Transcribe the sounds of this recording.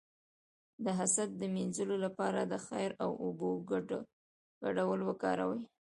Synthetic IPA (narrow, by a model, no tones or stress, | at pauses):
d̪əɦasat̪̚d̪əminzəlolapɑɾad̪əxa̰jɾawʔoboɡ | ɡ̥aɖawəlwəkɑɾa̰wəj